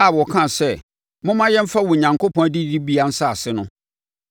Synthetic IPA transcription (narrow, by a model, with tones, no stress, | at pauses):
a˨wɔ˨kʰã˦˨sɛ˦ | mʊ̃˦mã˦jɛ̃˦m̩˦fa˦wɔ˨ɲã˨ŋkʰo˦pʰɔ̃˦dɪ˦di˦bi˦a˦n̩˦sa˦˨a˨sɪ˦nʊ̃˦